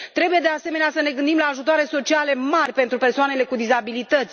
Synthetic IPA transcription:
t̪ɾe̞buje̞d̪ease̞me̞neasəne̞ɡɨnd̪imlaːʒut̪oaɾe̞so̞t͡ʃiale̞marʲpe̞nt̪ɾupe̞rsoanele̞kud̪izabilit̪ət̪sʲ

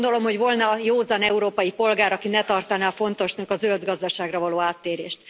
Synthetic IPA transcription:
nd̪o̞lo̞mho̞ɟvo̞lnɒjoːzɒnɛuɾoːpɒjipo̞lɡaːɾɒkinɛt̪ɒrt̪ɒnafo̞nt̪o̞ʃnɒkɒzøld̪ɡɒzd̪ɒʃaːɡrɒvɒloːaːt̪ːeːɾḛːʃt̪

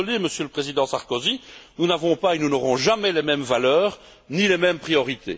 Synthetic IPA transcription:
leməsjøləpχezid̪ɑ̃saʁkozinunavɔ̃paenunɔʁɔ̃ʒamɛlemɛmvalœːʁ | nilemɛmpχijɔʁit̪ʰḛ

